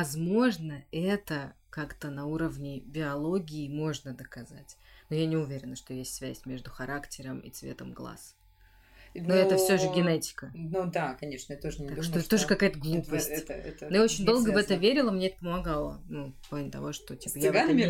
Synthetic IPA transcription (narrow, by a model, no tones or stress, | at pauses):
ɐzmo̞ʐnəɛt̪ə | kakt̪ənɐuɾəvnʲɪbʲɪɐlˠo̞ɡʲɪːmo̞ʐnəd̪əkɐza̰tʲnojanʲɪʊvʲeɾʲɪnəʂt̪o̞jesʲtʲsvʲæsʲmʲe̞ʐd̪ʊxɐɾaktʲɪɾəmḭt̪svʲḛt̪əmɡlˠa̰s | noɛt̪əfsʲoʐɨɡʲɪnɛtʲɪ̥kənud̪akɐnʲeʂnəɛt̪t̪oʐʲt̪akʂt̪oɛt̪t̪oʐɨkɐkajt̪əɡlˠupəsʲt̪nojaot͡ɕɪnʲd̪o̞lˠɡəvɛt̪əvʲeɾʲɪlˠəmnʲeɛt̪əpəmɐɡalˠə̰nuklˠanʲɪt̪ɐ̰vo̞ʂt̪o̞tʲi̥pəja